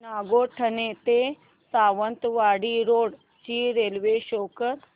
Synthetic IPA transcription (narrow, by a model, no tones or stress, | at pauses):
aːɡoːʈʰənet̪e | saːʋənt̪ʋaːɽiɾoːɽ | t͡ʃiːɾeːlʋeʃoːkəɾ